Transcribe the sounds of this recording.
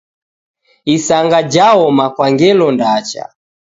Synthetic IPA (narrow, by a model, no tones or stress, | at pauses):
isaŋɡad͡ʒaɔmakwaŋɡɛlɔndat͡ʃa̰